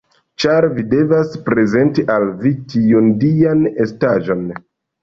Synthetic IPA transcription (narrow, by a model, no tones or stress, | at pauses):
t͡ʃaɾvide̞vaspɾe̞ze̞ntiʔalvitiundianestaʒo̞n